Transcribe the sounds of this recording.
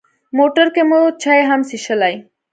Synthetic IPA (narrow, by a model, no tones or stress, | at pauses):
moʈɐɾkemot͡ɕʰajɦamsiʃɐlaj